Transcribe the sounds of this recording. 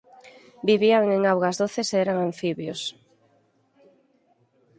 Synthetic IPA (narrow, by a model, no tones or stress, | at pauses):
biβiaŋeŋawɣazðoθeseɛɾaŋaɱfiβjos